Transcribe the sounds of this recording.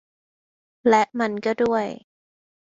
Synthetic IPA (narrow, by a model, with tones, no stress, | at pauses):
lɛ˦˥ʔma˧nkɔ˥˩du˥˩əj